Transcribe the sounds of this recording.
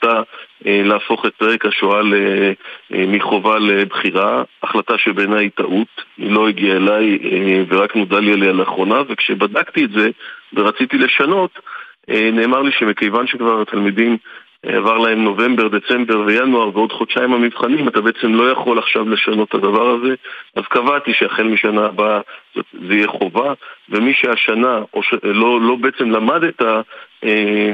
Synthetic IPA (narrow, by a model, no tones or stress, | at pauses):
t̪aeleafo̞χe̞t̚peʁe̞khaʃoale | miχo̞valebχiʁaaχlataʃebe̞nait̪aʔut̪ilo̞iɡiaelajeveʁaknodalialialaːχʁo̞nave̞kʃebadakt̪ietze̞veʁat͡sit̪ile̞ʃano̞t̪ene̞ːmaʁliʃemikejvanʃekvaʁat̪almidim̰ | a̰vaʁlahe̞mno̞ve̞mbe̞ʁd̪e̞t͡se̞mbe̞ʁve̞januaʁveo̞dχod̪ʃaimamivχanimat̪abe̞et͡se̞mlo̞jaχo̞laχʃavle̞ʃano̞tad̪avaʁaze̞azkavat̪iʃeaχelmiʃanaːbazo̰tzeijeχo̞vave̞miʃeaʃanao̞ʃelolo̞beet͡se̞mlamad̪etae